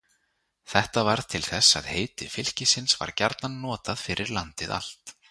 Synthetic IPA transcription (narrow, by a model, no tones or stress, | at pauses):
θɛht̪avaɾðt̪ʰɪlθɛsa̰ðheːjt̪ɪfɪl̥cɪsɪnsva̰ɾcaɾt̪nanːɔːt̪aðfɪɾʔɪɾlant̪ɪða̰l̥t̪